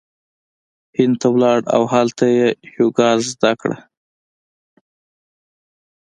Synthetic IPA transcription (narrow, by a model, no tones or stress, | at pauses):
hɪnd̪̚t̪ʰawlɑɽa̰wɦalt̪ʰajejoɡɑɾzd̪akɽa̰